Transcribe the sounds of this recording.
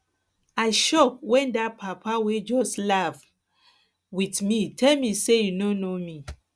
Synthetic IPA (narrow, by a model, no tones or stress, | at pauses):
aɪʃɔk̚wɛ̃ndapʰapʰawed͡ʒɔslav | witmitʰɛlmisejunonomi